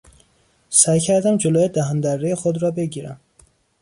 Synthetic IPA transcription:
sæjcʰæɾd̪æmd͡ʒoloːjed̪æɦænd̪ærːejexod̪ɾɒːbe̞ɟiːɾæ̰m

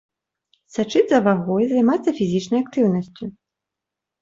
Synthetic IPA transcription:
sat͡ʂɨd̪ʲzɐvaɣɔjzajmat̪sːɐfʲizʲit͡ʂnɐjak̚t̪ɨwn̪ɐsʲt͡sʲu

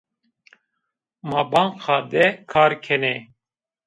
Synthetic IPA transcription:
maːbɑŋqaːd̪ɛkʰaːɾkʰɛnɛ

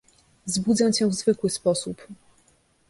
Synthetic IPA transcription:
zbud̪zãt͡ɕɛ̃vzvɘkwɘspɔsup

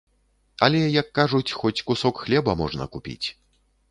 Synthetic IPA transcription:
ɐlʲɛjɐkːaʐut͡sʲxɔt͡sʲkusɔkxlʲɛbɐmɔʐnɐ̰kupʲḭt͡sʲ

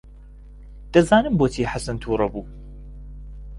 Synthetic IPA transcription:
d̪̥ɐzaːnɨmboːt̪ʰiːħasɐnt̪ʰuːɾˤɐbuː

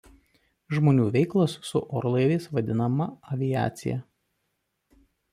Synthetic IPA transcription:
ʒmoːnʲuːʋʲɛɪklˠosːʊʔɔːɾlˠɐɪʋʲeːsʋɐd̪ʲɪnɐmɐɐʋʲɪjæ̰ːt̪sʲɪ̰jæ̰

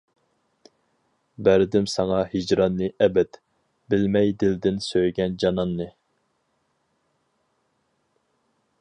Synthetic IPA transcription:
bæɾd̪ɪmsɑŋɑhid͡ʒɾɑnːɨʔɛbɛt̪ | bɪlmɛjd̪ɪld̪ɪnsøjɡʲɛnd͡ʒɑnɑnːɨ

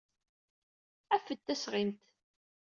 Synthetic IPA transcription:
æfət̪ːæsʁimt̪

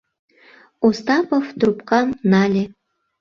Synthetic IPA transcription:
ust̪ɑpoft̪rupkɑnːɑlʲe

